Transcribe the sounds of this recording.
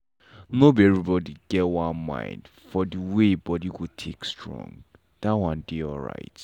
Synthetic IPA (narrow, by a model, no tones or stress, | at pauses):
nobiɛvɹibɔdiɡ̥ɛtwãnmã̰ɪ̃nd | fɔdəwebɔdiwutʰekstɹɔ̰̃ŋ | d̥awãndeɔlɹa̰ɪt